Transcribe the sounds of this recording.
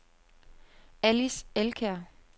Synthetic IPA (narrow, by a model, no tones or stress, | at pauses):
æliselkʰæɐ̰